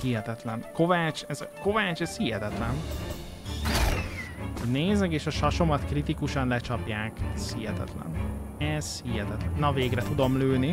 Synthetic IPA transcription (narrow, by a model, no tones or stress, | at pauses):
hiɦɛt̪ɛt̪lɛnko̞vaːt͡ʃɛzko̞vaːt͡ʃɛz̥hiɦɛt̪ɛt̪lɛn | oɟneːzɛkeːʃɒʃɒʃo̞mɒt̪krit̪ikuʃɒnlɛt͡ʃɒpjaːkɛz̥hiɦɛt̪ɛ̰t̪lɛ̰n | ɛz̥hiɦɛt̪ɛt̪lɛnːɒveːɡrɛt̪ud̪o̞mløːni